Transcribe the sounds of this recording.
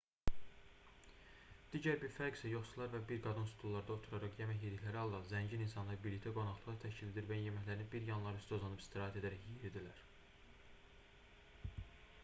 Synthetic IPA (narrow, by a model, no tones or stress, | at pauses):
d̪̥iːɟæɾbiɾfæɾɡsæjo̞χsulˠɑɾvæbiɾɡɑd̪ɯnsu̥t̪ʰulˠːɑɾd̪ɑot̪ʰuɾɑɾɑχjemæçjed̪içlæɾihɑlˠd̪ɑzæɲɟininsɑnlˠɑɾbilit̪ʰæɡo̞nɑχlˠɯʁɯt̪ʰæʃcʰiled̪iɾvænjemæçlæɾinibiɾjɑnlˠɑɾyst̪ozˠɑnɯpi̥st̪ʰiɾɑːɦæt̪e̞d̪æɾæçeɾid̪ilæɾ